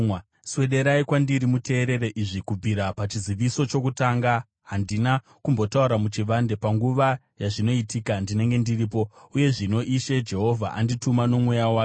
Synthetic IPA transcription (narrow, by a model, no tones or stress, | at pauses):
swe̞ɗe̞ɾaikwandiɾimute̞ːɾe̞ɾe̞ʔiʐikub͡viɾapat͡ʃiziʋiso̞t͡ʃokutaŋɡa | ɦandina | kumbo̞tauɾamut͡ʃiʋande̞paŋɡuʋa | jaʐino̞itiːkandine̞ŋɡe̞ndiriːpo̞uje̞ʐino̞ʔiʃed͡ʒe̞ɦo̞vʱa̰ʔanditumano̞mwejawaː